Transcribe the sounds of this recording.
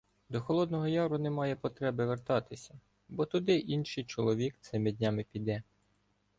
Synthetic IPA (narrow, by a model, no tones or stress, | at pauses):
d̪ɔxɔlˠɔd̪nɔɦɔjɑʋɾʊnɛmɑjɛpɔt̪ɾɛbɪʋert̪ɑt̪ɪsʲɐ | bɔt̪ʊd̪ɪʔinʃɪjt͡ʃɔlˠɔʋʲikt̪sɪmɪd̪ʲnʲamɪpʲid̪ɛ